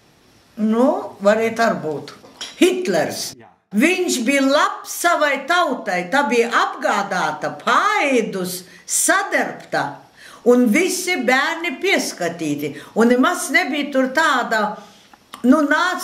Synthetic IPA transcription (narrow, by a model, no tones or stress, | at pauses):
nuvaɾiːt̪aɾbuːt̪hit̪lɛɾs | viɲʃbijlˠapsavajt̪awt̪ajt̪aːbijʔabɡaːd̪aːt̪ɐpʰajd̪usː | ad̪ɛɾpt̪a | unvisibʲæːɾnʲipiɛskat̪ʲiːt̪ʲiunnːemaznebijt̪uɾt̪aːd̪a | nunaː